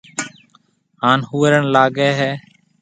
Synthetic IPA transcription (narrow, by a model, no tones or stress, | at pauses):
ɦaːnhuːɾəɳlaːɡɛːɦɛː